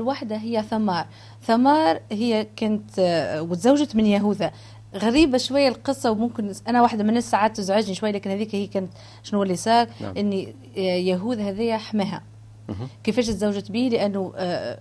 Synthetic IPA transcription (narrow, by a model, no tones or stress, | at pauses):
lwaħd̪aɦɪjːæθæmɑːɾˤ | θamɑːɾˤhɪjːækæːnət̪wɪt̪zawːʒat̪mɪnjæɦuːðhæ | ɣæɾiːbaʃwajːælqɨsˤːɑwmʊmkɪnʔænæwaħd̪æmnːæsːaʕaːd̪̚t̪ːɪzʕaʒniʃwajːælæːkɪnhæðiːkhiːkæːnt̪ | ʃnuːælːisɑːkʔɪnːi | jæɦuːðhæðɪjːæħamæːɦæ̰ | kɪfæːʃ̬t̪zawʒat̪biːləʔænːu